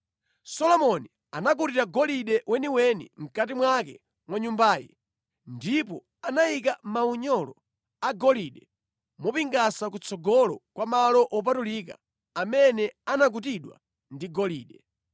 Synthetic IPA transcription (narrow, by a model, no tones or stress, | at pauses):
sɔlɔmɔni | anak̬utiɾaɡɔliɗɛwʔɛniwɛnḭm̩katimwakɛ | mwaɲumbaːjɛ̰ | ndip̬ɔ | anaik̬amauɲɔlɔ | aɡɔliɗɛ | mɔpiŋɡasakut͡sɔɡɔlɔkwamalɔʔɔp̬atulika̰ː | mɛnɛanak̬utiɗwa̰ | ndiɡɔliːɗɛ